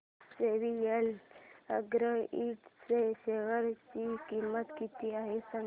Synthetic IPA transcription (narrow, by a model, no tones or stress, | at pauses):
seʋijeləɡɾəiʈseseʋəɾt͡ɕikimːət̪kit̪iaɦesə